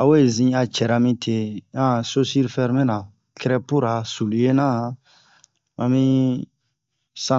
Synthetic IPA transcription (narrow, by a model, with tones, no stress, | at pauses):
a˨we˦˨zĩ˦a˧t͡ʃɛ˨ɾa˨mĩ˦tʰe˨ã˦˨so˦si˦ɾifɛ˦ɾmɛ̃˦nã˨ | kɛ˦ɾɛ˦pu˦ɾa˨su˨lu˨je˦nã˦ | mã˨mĩ˦ | sã˦